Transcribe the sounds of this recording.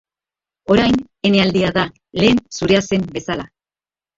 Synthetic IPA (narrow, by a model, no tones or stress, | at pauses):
o̞ɾajn | e̞ne̞ald̪iaða | le̞ːnsuɾe̞ase̞mbe̞sala